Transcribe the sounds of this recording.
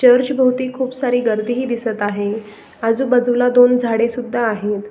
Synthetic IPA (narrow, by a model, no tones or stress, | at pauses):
t͡ɕəɾt͡ɕbʱəwt̪iːkʰuːpsaɾiːɡəɾd̪iɦiːd̪isət̪aɦe | ad͡zuːbəd͡zəʋlad̪ond͡zʱaɽesud̪ʱːaːɦet̪